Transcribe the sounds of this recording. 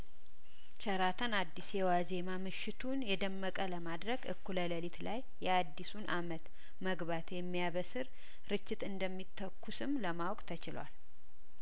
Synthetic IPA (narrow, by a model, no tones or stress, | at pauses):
t͡ʃʰəɾat̪ʰənad̪ːisjɛwazemamɨʃːɪt̪ʰunjɛd̪əmːəkʼələmad̪ɾəɡʔɨ̰kːulələlit̪lajːɛad̪ːisunʔamət̪ | məɡβat̪jɛmːijaβəsɨɾ | ɾɨt͡ʃːɪt̪ɨnd̪əmːit̪ʰːəkːusɨmləmawkʼt̪ʰət͡ʃɪlwa̰l